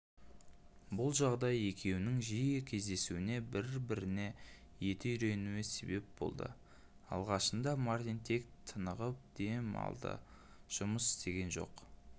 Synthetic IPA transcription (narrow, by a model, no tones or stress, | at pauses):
bʊlˠʒɑʁd̪ɑje̞kʲe̞wɪnɪŋʒijəkʲʰe̞zd̪e̞suɪne̞bɪɾbɪɾɪne̞ | je̞t̪ɪijɾe̞nuwɪse̞be̞p̚bo̞̰lˠd̪ə̰ | ɑ̰lˠʁɑʃənd̪ɑmaɾt̪int̪ʰe̞k̚t̪ʰənəʁəp̚d̪̥emɑ̰lˠd̪ə̰ | ʒ̥ʊməsɪ̥st̪e̞ɡʲe̞nʒo̞̰q